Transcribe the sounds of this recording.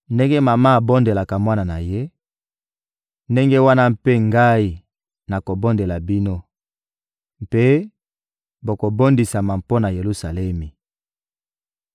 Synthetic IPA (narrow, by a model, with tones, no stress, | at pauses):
nde˦ŋɡe˦ma˨ma˦a˨bo˦nde˨la˨ka˨mwa˦na˨na˨je˦ | nde˦ŋɡe˦wa˦na˦mpe˦ŋɡa˦i˦ | na˨ko˨bo˦nde˨la˨bi˦no˦ | m˨pe˦ | bo˨ko˨bo˦ndi˨sa˨ma˨mpo˦na˨je˨lu˦sa˨lɛ˦mi˨